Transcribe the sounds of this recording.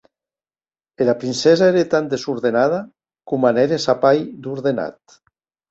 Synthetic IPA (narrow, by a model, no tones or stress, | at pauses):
elapɾinsɛzaeɾet̪and̪esuɾðenað̞a | kumaneɾesapajd̪uɾðena̰t̪